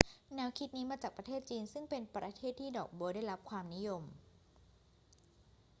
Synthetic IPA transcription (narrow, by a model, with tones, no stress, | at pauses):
nɛ˦˥wkʰi˦˥t̪̚niː˦˥maː˧t͡ɕaː˨˩k̚pɾa˧t̪ʰeː˥˩t̪̚t͡ɕiː˧nsɯ˥˩ŋpe˧npɾa˧t̪ʰeː˥˩t̪ʰːiː˥˩dɔ̰ː˨˩k̚buː˧daː˥˩jɾa˦˥p̚kʰwaː˧mni˦˥jo˧m